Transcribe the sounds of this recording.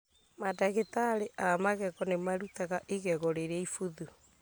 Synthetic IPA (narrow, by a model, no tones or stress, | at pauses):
madaɣetaɾeʔamaɣɛɣɔnemaɾutaɣaʔeɣɛɣɔɾeɾɛifuðu